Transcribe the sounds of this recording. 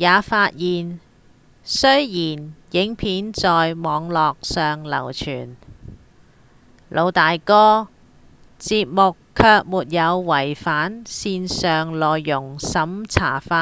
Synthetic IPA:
jaː˨˧faː˧t̚jiː˨n | sɵ˥ɥjiː˨˩njɪ˨˥ŋpʰiː˨˥nt͡sɔː˨jmɔː˨˧ŋlɔː˨k̚sœː˨ŋlɐ̰˨˩wt͡ʃʰy̰ː˨˩n | lʔo˨˧wt̪aː˨jkɔː˥ | t͡siː˧p̚mʊ˨kʰːœː˧k̚muː˨t̚jɐ˨˧wwɐ˨˩jfaː˨˥nsiː˧nsœː˨ŋlɔː˨jːʊ˨˩ŋsɐ˨˥mt͡sʰa̰ː˨˩faː˧

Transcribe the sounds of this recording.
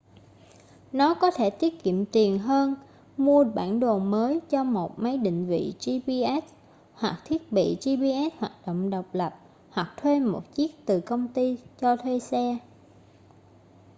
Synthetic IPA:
nɔ˨˦kɔ˨˦t̪ʰe˧˩t̪i˦˥ət̚kḭ˧˨əmt̪i˨˩ənɦəː˧n | mu˧əɓa̰ː˧˩nɗo˨˩nməː˨˦jt͡ɕɔ˧mo˨˩t̚mə˨˦jɗḭ̈˧˨ŋ̟vḭ˧˨zi˧ɓi˧ʔɛ˦˥t̚ | hwa˨˩k̚t̪ʰi˦˥ət̚ɓḭ˧˨zi˧ɓi˧ʔɛ˦˥t̚hwaː˨˩t̚ɗo̰˧˨wŋ͡mɗə˨˩wk͡p̚lə˨˩p̚ | hwa˨˩k̚t̪ʰwe˧mo˨˩t̚t͡ɕi˦˥ək̚t̪ɨ˨˩kə˧wŋ͡mt̪i˧t͡ɕɔ˧t̪ʰwe˧sɛ˧

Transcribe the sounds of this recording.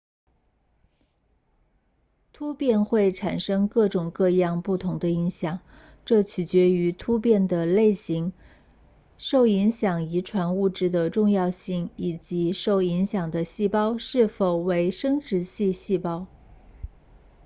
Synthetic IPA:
t̪ʰu˥pjɛ˥˧nxwe˥˩ɪʈ͡ʂʰa˨˩nʂɤ˥ŋkɤ˥˩ʈ͡ʂʊ˨˩ŋkɤ˥˧jɑ˥˧ŋpu˥˩t̪ʰʊ˧˥ŋd̪ə˧i˧˥ŋɕjɑ˨˩˦ŋ | ʈ͡ʂɤ˥˩t͡ɕʰy˨˩t͡ɕɥɛ˧˥y˧˥t̪ʰu˥pjɛ˥˩nd̪ə˩le˥˩ɪɕi˧˥ŋ | ʂo˥˩ʊi˧˥ŋɕjɑ˨˩ŋi˧˥ʈ͡ʂʰwa˧˥nu˥˧ʈ͡ʂɻ̩˥˩d̪ə˩ʈ͡ʂʊ˥˧ŋjɑ˥˧ʊɕi˥˩ŋi˨˩t͡ɕi˧˥ʂo˥˩ʊi˧˥ŋɕjɑ˨˩ŋd̪ə˦ɕi˥˩pɑ˥ʊʂɻ̩˥˩fo˨˩ʊwe˧˥ɪʂɤ˥ŋʈ͡ʂɻ̩˧˥ɕi˥˧ɕi˥˩pɑ˥ʊ

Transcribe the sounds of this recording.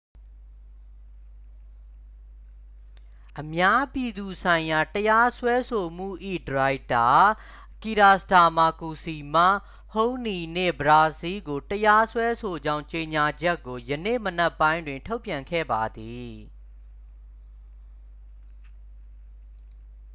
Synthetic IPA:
ʔəmja˦pji˨d̪u˨sʰã˨ɪ̃ja˨təja˦swɛ˦sʰo˨m̥ṵ˦˨ʔḭ˦˨dəɹa˨ɪ˨ta˨ | ki˨ɾa˨sta˨ma˨ku˨si˨ma̰˦˨ | hõ˦ni˨nḛ̃˦˨bəɹa˨zi˦ɡo˨təja˦swɛ˦sʰo˨d͡ʑã˦ʊ̃ɲt͡ɕe˨ɲa˨d͡ʑɛ˦kːo˨jənḛ˦˨mən̥ɛ˦pːã˦ɪ̃ndwɪ̃˨ntʰo˦ʊpjã˨ŋkʰɛ̰˦˨ba˨d̪i˨

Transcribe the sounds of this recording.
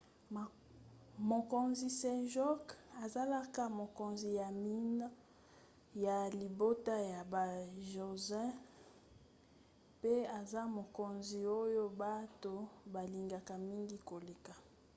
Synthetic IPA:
mo˨ko˨nzi˨sɛ̃˦ʒɔ˦ka˨za˦la˦ka˦mo˨ko˨nzi˨ja˨mi˦na˦ | ja˨li˨bo˦ta˦ja˨ba˨ʒo˨zɛ̃˦ | pe˦a˨za˦mo˨ko˨nzi˨o˦jo˦ba˦to˦ba˨li˨ŋɡa˨ka˨mi˦ŋɡi˦ko˨le˨ka˨

